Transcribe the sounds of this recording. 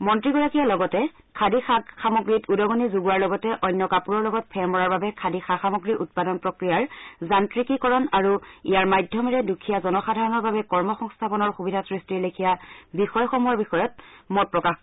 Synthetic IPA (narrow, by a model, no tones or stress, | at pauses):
mɔntɹiɡɔɹakijalɔɡɔtɛ | kʰadixaxamoɡɹitudɔɡɔnizuɡuaɹlɔɡɔtɛʔɔjnːɔkapuɹɔɹlɔɡɔt̚pʰɛmɔɹaɹbabɛkʰadixaxamɔɡɹiʔut̚padɔnpɹɔkɹijaɹzantɹikikɔɹɔnaɹuḭjaɹmajdʱjɔmɛɹɛdukʰijazɔnɔxadʱaɹɔnɔɹbabɛkɔɹmɔxɔŋstʰapɔnɔɹxubidʱasɹistilekʰijabixɔjxomuaɹbixɔjɔt̚mɔt̚pɹɔkax